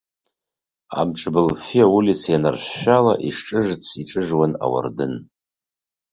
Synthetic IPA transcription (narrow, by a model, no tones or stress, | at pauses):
a̰mʈ͡ʂʼbɨlfijawulisjanarɕːalaʔiʂʈ͡ʂʼɨʐt͡sʰiʈ͡ʂʼɨʐwana̰wa̰rdɨn